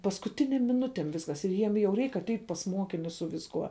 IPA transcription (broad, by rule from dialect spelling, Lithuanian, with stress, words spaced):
pɐskʊˈtʲɪnʲeːm mʲɪˈnʊtʲeːm ˈʋʲɪskɐs ɪr ˈjiɛm jɛʊ ˈrʲɛɪk ɐtʲˈɛɪtʲ pɐs ˈmuɔkʲɪnʲʊs sʊ ʋʲɪsˈkuɔ